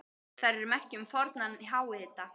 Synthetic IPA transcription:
θaɾɪɾmɛr̥cʏmfɔɾt̪naniɦaːwɪɪːt̪a

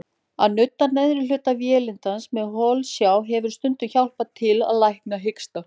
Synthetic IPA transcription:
a̰ðnʏt̪ːanɛðɾɪl̥ʏːt̪avjɛːlɪnt̪ansmɛðɦɔːlsjawɦɛvʏɾ̥st̪ʏnt̪ʏçawl̥pat̪ʰɪla̰ðlajhknaɦɪkst̪a

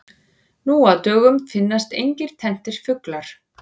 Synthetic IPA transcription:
nuaðt̪œːɣʏmfɪnːast̪ejɲcɪɾ̥t̪ʰɛn̥t̪ɪɾ̥fʏklaɾ̥

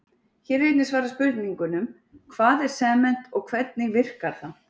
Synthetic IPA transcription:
çɛɾvɪjt̪nɪsvaːɾaspʏɾt̪niŋkʏnʏm | kʰvaːðɛɾ̥sɛːmɛn̥t̪ɔɣkʰv̥ɛt̪nɪɣvɪr̥kaɾ̥θan

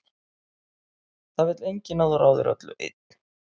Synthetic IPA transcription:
θavɪt̪lejɲcɪnaðɔɾawðɪ̰ɾa̰t̪lʏ̰ʔɪ̰t̪̚n̥

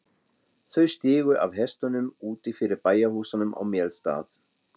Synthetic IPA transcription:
θœɥst̪ɪːɣʏʔa̰vɦɛst̪ʏnʏmuːt̪ɪfɪɾɪɾpaːjahuːsanʏmʔa̰wmjɛlst̪a̰ːθ

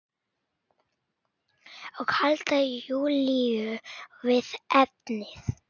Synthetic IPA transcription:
ɔɣhalt̪ajuːliʏvɪðɛt̪nɪθ

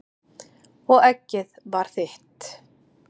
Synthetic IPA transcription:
ɔɣɛcːɪðvaɾ̥θɪht̪

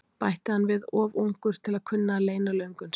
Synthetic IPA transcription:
pajht̪ɪhanːvɪðɔːvuŋkʏɾ̥t̪ʰɪlaðkʰʏnːaleːjnalœɥŋkʏn

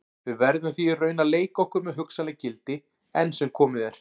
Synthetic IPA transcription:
vʏvɛɾðʏmɛθirœːɥnaleːjkɔhkʏɾmɛðɦʏksanlɛɣcɪlt̪ɪ | ɛnːsɛmkʰɔːmɪðɛɾ̥

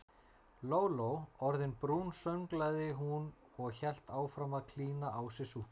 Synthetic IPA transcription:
loːwlowɔɾðɪnpɾuːnsœɥŋklaðɪɦun | ɔɣçɛl̥t̪aːwfɾamaðkʰliːnaʔawsɪsuh

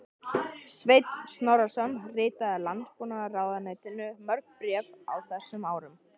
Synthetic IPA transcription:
svejt̪nsnɔwɾasɔnːrɪːt̪aðalant̪puːnaaraːwðanaːjt̪ɪnːʏmœɾkpɾjɛːva̰wθɛsːʏmaːwɾʏm

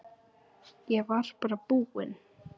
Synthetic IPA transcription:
jɛvaɾ̥paːɾapuːɣɪn

